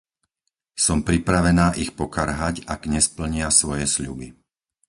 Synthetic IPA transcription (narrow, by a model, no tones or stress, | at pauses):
sɔmpɾipɾaʋɛnaːʔixpɔkaɾɦacaɡɲɛspl̩ɲɪasʋɔjɛsʎṵbi